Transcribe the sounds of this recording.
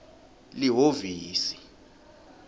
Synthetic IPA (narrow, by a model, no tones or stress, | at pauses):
liɦoviːsi̥